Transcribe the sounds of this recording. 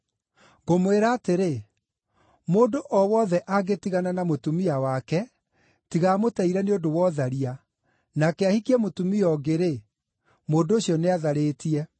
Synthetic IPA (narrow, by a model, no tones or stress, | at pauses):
ɣomweɾaːteɾe | moːndoʔɔwɔðɛʔaɡetiɣananamotumiawakɛ | tiɣamotaiɾɛneodowɔðaɾia | nakɛahikiɛmotumiɔɡeɾe | moːndooɕiɔneaðaɾeːtiɛ